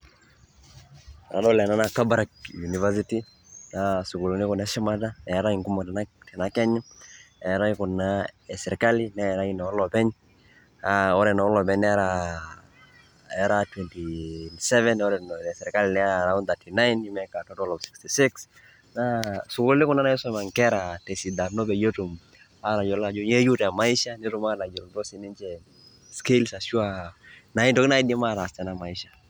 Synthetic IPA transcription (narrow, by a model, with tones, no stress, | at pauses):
na˨nɔ˦lɛ˨na˦na˨ka˦baɾak̚junivas̬iti | nasu˨ku˨lu˨nɪ˦kɔ˨na˨˦ʃi˦ma˦taɛɾa˦i˨ŋku˦mɔ˨tnatɛ˨na˨kɛ˦ɲa˦ɛɾa˦i˦ku˨naɛ˨sɛ˨ɾɛ˨kalina˦ɛ˨ɾa˦i˦na˨ɔ˦lɔpɛ˦ɲ | aɔ˦ɾɛ˨na˨ɔ˦lɔ˨pɛ˦ɲɛ˦ɾa | ɛɾatwɛntisɛ˦vɛ˦nɔ˦ɾɛ˨nɛ˨sɛ˨ɾɛ˨ka˦linɛ˦˨ɾa˨ʊ˦nt̪a˨tʰi˨na˦jni˦mɛ˨ka˨tɔ˦tɔ˦lɔ˨fsɪ̥˨ksti˨sɪ˦ks | nasʊ˨kʊ˦llɪ˦kʊ˦na˦na˦ɛ˦sɔ˦ma˨ŋkɛ˦ɾa˨tɛ˨si˨da˨no˦pɛ˨jo˦tu˨m | a˦ɾa˨d͡ʒɔ˨la˨d͡ʒɔ˦ɲe˦ju˦ta˨ma˨i˦ʃa˦nɪ˦ɾu˦ma˦na˨d͡ʒɔ˨ltɔ˦sɪ˨nɪ˦nt͡ʃɛ˨ | ske˦lsa˨ʃu˦a˨na˨˦i˦ntɔ˨kɪ˦na˦i˦dɛ˦ma˦˨ɾa˨st͡ʃɛ˨na˦ma˨i˦ʃḁ˨